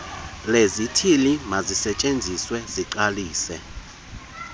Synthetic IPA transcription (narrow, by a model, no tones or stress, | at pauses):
lezitʰilimazisɛt͡ʃʼend͡zʱiswɛziǀaliːsɛ̰